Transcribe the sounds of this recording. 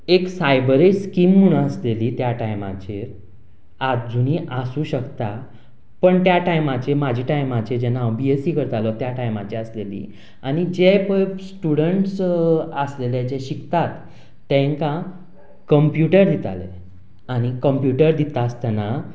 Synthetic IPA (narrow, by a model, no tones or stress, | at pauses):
eksajbəɾeskimːuɽ̃aəsleliːt̪jaʈajma̰t͡ɕeɾ | ad͡zuniʔasũːɕəkt̪a | pəɳt̪jaʈajmat͡ɕeɾmad͡ʑʱiːʈajmat͡ɕed͡ʑɛnawbiesiːkəɾt̪alɔt̪jaʈajmat͡ɕeəslelḭː | añid͡ʑepəsʈuɽəɳʈsəslelɛd͡ʑeɕikt̪at̪ː | ɛ̃ŋka | kəmpjuʈəɾd̪it̪a̰lḛ | añikəmpjuʈəɾd̪it̪ast̪ɛna